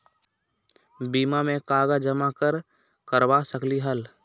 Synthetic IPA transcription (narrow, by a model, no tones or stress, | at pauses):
biːmamẽkaːɡad͡ʒəmakəɾ | kəɾbasəkliɦəl